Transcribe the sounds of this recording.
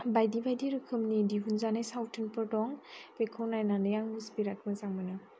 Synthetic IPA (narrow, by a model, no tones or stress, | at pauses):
bajdibajdiɾɯkʰɯmnidiɦunzanajsawtʰɯnpʰɯɾdɔŋpekʰawnajnanɯjaŋmusbiɾak̚mɯzaŋmɯnɯ